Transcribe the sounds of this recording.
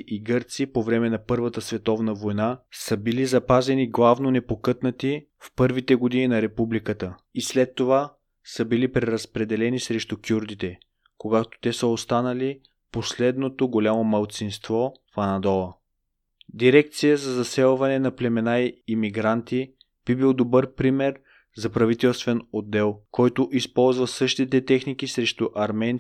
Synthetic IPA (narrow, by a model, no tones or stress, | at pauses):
ʔiɡɤɾt̪sipovɾɛmɛnɐpɤɾvət̪əsvɛt̪ɔvnəvojnasəbilizɐpazɛniɡlˠavnonɛpokɤt̪nət̪i | fpɤɾvit̪ɛɡod̪ininɐɾɛpublikət̪ə | islɛt̪ːova | səbilipɾɛɾɐspɾɛd̪ɛlɛnisɾɛʃt̪ukʲjuɾd̪it̪ɛ | koɡat̪o̥t̪ɛsəost̪anəli | poslɛd̪not̪oɡolʲamomɐlˠt̪sinst̪vɔfɐnɐd̪ɔlˠə | d̪iɾɛkt̪sijəzɐzɐsɛlˠvɐnɛnɐplɛmɛnaiimiɡɾant̪i | b̥ibilˠd̪obɤɾpɾimɛɾ | zɐpɾɐvit̪ɛlˠst̪vɛnod̪ːɛlˠkɔjt̪oʔispɔlˠzvəsɤʃt̪it̪ɛt̪ɛxnikisɾɛʃt̪uʔɐɾmɛn